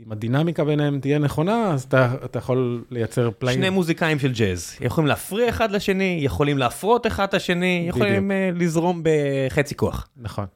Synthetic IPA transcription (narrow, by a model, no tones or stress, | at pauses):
imad̪inamikabenhemt̪ijeneχo̞naːzat̪aat̪ajaχo̞lːe̞jat͡se̞ʁplaʃnejmuzikaimʃeld͡ʒezjḛχolimleafʁiaeχad̪laʃe̞nijeχo̞limleafʁo̞t̪eχad̪laʃe̞nijeχolimlizʁo̞mbeχet͡sikoa̰χnaχo̞̰n